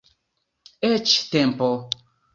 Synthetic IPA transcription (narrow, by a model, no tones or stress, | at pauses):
et͡ʃtɛmpɔl